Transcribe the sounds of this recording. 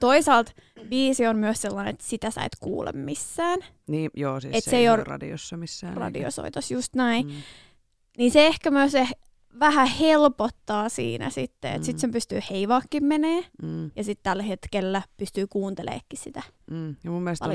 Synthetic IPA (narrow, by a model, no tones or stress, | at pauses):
t̪oisɑːlt̪ | ʋiːsionmyøsselːɑːnet̪sit̪æsɑ̰it̪kṵːlḛmmisːæːn | niːjoːsietssseiorrɑ̰dḭo̰sːɑmisːæːrɑ̰dḭo̰so̰it̪osjust̪næi | niːnseehkæmyøseh | ʋæhæhelpot̪ːɑːsḭːnæ̰sit̪ːḛḛt̪sit̪sempyst̪yːheiʋɑːkːimmeneːjɑsit̪t̪ælhet̪kelːæpyst̪yːkuːnt̪elḛːkːissit̪æjɑmumːelstpɑl